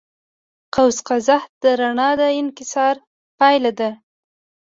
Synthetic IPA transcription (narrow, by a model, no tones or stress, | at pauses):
qawsqazahd̪̥əɾaɳɑd̪əɪnkɪsɑɾ | pɑjlad̪a